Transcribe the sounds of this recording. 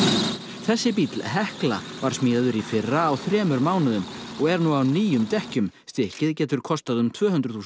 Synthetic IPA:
θɛsːɪpit̪lɦɛhkla̰ | vaɾ̥smiːðaðʏɾifɪrːaːwθɾɛːmʏɾmaːwnʏðʏm | ɔɣɛɾnuawniːjʏmt̪ɛhcʏmst̪ɪhcɪðcɛːt̪ʏɾ̥kʰɔst̪aðʏmt̪ʰvœːhʏnd̪ɾʏ̥θuːs

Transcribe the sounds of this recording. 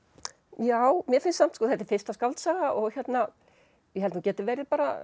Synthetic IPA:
jaːwmjɛɾfɪnsam̥t̪skɔːθɛht̪ɪɾ̥fɪr̥st̪askawlt̪saːɣaʔɔɣçjɛt̪na | jɛɦɛlnuːcɛːt̪ɪvɛːɾɪɾpaːɾa̰

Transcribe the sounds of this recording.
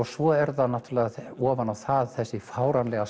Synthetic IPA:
ɔsvɔɛɾðanaht̪ɾlɛɣaɔːvanawθaðθɛsːɪfaːwɾanlɛɣa

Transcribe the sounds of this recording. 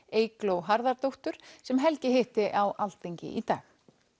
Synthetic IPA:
eːjklowɦaɾðaɾt̪owht̪ʏɾ̥sɛmɦɛlcɪɦɪht̪ɪʔawalt̪eɲcɪ̰ʔit̪a̰ːx

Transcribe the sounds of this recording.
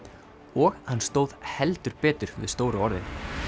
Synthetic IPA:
ɔɣhanːst̪oːwð̥hɛlt̪ʏɾ̥pɛːt̪ʏɾ̥vɪ̰ðst̪oːwɾʏɔɾðɪn

